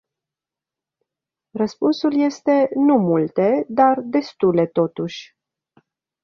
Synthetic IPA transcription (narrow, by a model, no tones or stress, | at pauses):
rəspunsulje̞st̪e̞numult̪e̞d̪ard̪e̞st̪ule̞t̪o̞t̪uʃʲ